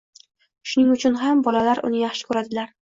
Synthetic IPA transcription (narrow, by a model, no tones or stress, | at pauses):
ʃʊnɪŋʊt͡ʃʰʊnɦambɒlalaɾʔʊ̰nɪjaχʃɪ̥kʰɵɾad̪ɪlaɾ